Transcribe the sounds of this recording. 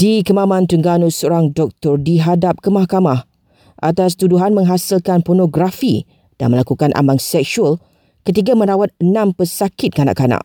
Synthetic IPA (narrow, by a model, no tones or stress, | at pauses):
d̥ikəmãmãnt̪əŋɡanusoɾaŋdɔk̚t̪ɔrdiɦadap̚kəmahkamah | ʔat̪as̬t̪uduɦanmə̃ŋɦasilkanpɔrnõɡɾafi | d̥a̰nməlakukanʔa̰mbaŋsɛk̚suəl | kət̪iɡamə̃ɾawat̪̚ənãmpəsakɪt̪̚kana̰ʔkana̰ʔ